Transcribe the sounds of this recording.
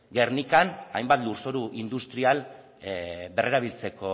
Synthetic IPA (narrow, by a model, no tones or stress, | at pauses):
ɡe̞rnikanajmbat̪luɾso̞ɾuʔind̪ust̪ɾial | be̞rʔe̞ɾaβ̞ilt͡se̞ko̞